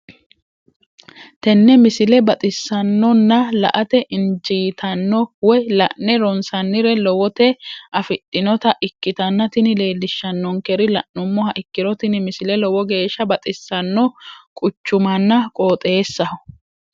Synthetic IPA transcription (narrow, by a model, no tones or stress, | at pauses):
t̪ɛnːɛmɪsɪlɛbɐt̪ʼɪsːɐnːɔnːɐlɐ̰ʔɐt̪ɛʔɪnd͡ʒiːt̪ʰɐnːɔwɔjlɐʔnɛɾɔnsɐnːɪɾɛlɔwɔt̪ɛʔɐfɪtʼːɪnɔt̪ɐʔɪkːɪt̪ɐnːɐt̪ɪnɪle̞ːlːɪʃːɐnːɔŋkɛɾɪlɐ̰ʔnʊmːɔhɐʔɪkːɪɾɔt̪ɪnɪmɪsɪlɛlɔwɔɡe̞ːʃːɐbɐt̪ʼɪsːɐnːɔkʼʊt͡ʃːʊmɐnːɐkʼo̞ːt̪ʼe̞ːsːɐhʊ